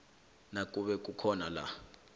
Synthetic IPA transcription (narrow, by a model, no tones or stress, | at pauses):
nak̬ʼuɓɛk̬ʼukʰɔnala̰